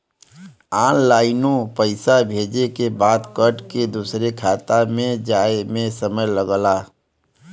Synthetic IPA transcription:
ãːnlaːɪnõpəɪsabʱeːd͡ʒekebaːd̪kəʈked̪usɾekʰaːt̪amẽd͡ʒaːemẽsəməjləɡla

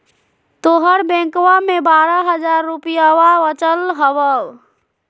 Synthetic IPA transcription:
t̪oɦəɾbɛ̃ŋkwamebaɾəɦəd͡ʒaɾːupijawaət͡ʃəlɦəbəw

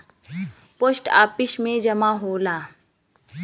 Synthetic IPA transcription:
poːsʈa̰ːpɪsmẽd͡ʒɐmaɦoːlaː

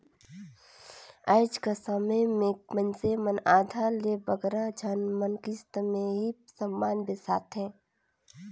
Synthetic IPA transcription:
aːɪd͡ʒkasəməmẽmənsemənaːd̪ʱalebəɡɾad͡ʒʱanmənkist̪mẽɦisəmːaːnbesaːt̪ɦɛ̃ː

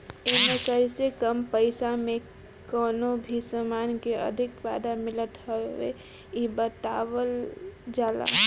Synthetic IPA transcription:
emẽkəɪsekəmpəɪsamẽ | kɔːnobʱisəmaːnkeə̰d̪ʱɪkʋaːd̪amɪlət̪ɦəḛ | ibət̪aːwəld͡ʒaːla̰

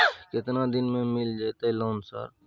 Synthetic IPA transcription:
kɪt̪nad̪ɪnmẽmɪld͡ʒajt̪aɦɛloːnsa̰ːɾ

